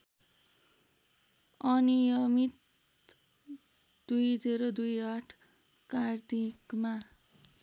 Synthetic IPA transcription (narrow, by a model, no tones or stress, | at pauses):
ʌnijʌmit̪ | d̪̥ujd͡zeɾod̪ujʌʈʰ | kart̪ikma